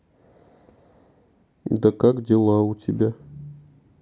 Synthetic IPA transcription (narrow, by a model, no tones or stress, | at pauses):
d̪akakdʲelˠɑutʲebʲæ